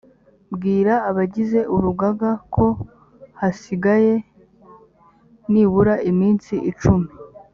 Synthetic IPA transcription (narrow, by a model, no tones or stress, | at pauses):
bɡiːɾaːβaɟize̞ʔuɾuɡaɡakʰo̞ | hasiɡaje̞ | niβuɾaʔimiːnsiʔit͡ʃumi